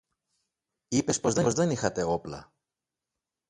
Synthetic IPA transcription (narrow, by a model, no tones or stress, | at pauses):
ipe̞spo̞zðezðe̞nixɐt̪e̞o̞plɐ̰